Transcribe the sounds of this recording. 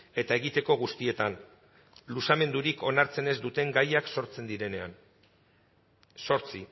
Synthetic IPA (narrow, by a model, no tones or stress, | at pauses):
e̞t̪ae̞ɣ̞it̪e̞ko̞ɣust̪ie̞t̪an | lusame̞nd̪uɾiko̞naɾt͡se̞ne̞zd̪ut̪e̞ŋɡajakso̞ɾt͡se̞nd̪iɾe̞ne̞an | so̞ɾt͡si